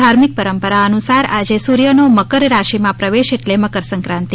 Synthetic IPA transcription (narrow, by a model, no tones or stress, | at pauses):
aɾmik̚pəɾəmpəɾaənusaɾad͡ʒesuɾjənoməkəɾɾaʃimãpɾəʋeʃeʈleməkəɾsə̃ŋkɾãnt̪i